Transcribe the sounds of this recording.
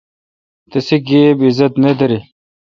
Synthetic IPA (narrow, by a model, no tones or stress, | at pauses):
t̪ɐsiɡebizɐt̪ned̪ɐɾi